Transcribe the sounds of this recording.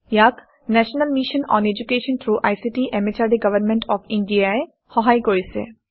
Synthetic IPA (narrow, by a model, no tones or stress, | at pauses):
jaːk | nɛːʃnəlmiʃə̃nɔ̰̃ːned͡ʒukeːʃə̃nt̪ʰɾuːʔa̰jsiʈiʔemet͡ʃaːɖiɡɐʋəɾmẽɳʈʰɔːfɪ̃ɳɖiae | hɔɦaːikoːjsḛ